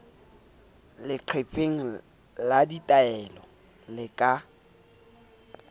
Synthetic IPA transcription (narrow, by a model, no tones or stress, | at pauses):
lɪǃʰepʰʼeŋ̩ | laditʼaɛlɔ | lɪkʼa